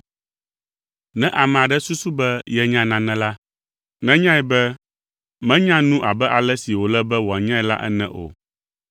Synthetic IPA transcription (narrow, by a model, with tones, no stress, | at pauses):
nɛ̃˦ʔa˨mɛ̃˨a˨ɖɛ˦su˦su˦bɛ˦jɛ˦ɲã˦nã˨nɛ̃˨la˦ | nɛ̃˦ɲã˦ɛ˨bɛ˦ | mɛ̃˦ɲã˦nũ˦ʔa˨bɛ˦ʔa˨lɛ˦si˨wo˨lɛ˦bɛ˦wo˨a˨ɲã˦ɛ˨la̰˦ʔɛ̰˦nɛ̰̃˦ʔo̰˨